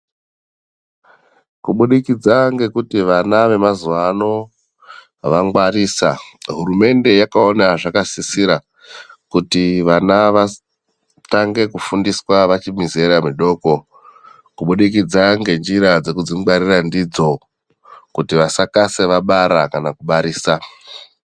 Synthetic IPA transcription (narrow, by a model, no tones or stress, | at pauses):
kuɓuɗikid͡zaŋɡe̞kutiʋanaʋe̞mazuʋano̞ | ʋaŋɡwaɾiːsa̰ɦurume̞nde̞jakao̞naʐakasisiɾa | kutiʋanaʋa | taŋɡe̞kufundiswaʋat͡ʃimizeɾamiɗo̞ːko̞ | kuɓuɗikid͡zaŋɡe̞nd͡ʒiɾad͡ze̞kud͡ziŋwaɾirandid͡zo̞ | kutiʋasakase̞ʋaɓaɾakanakuɓaɾiːsa